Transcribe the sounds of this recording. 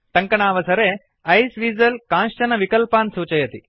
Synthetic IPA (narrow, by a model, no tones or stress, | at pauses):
ʈɐŋkɐɳaːʋɐsɐɾeː | ɐjsʋiːzɐlkãːnʂt͡ʃɐnɐʋikɐlpaːnsuːt͡ʃɐjɐt̪i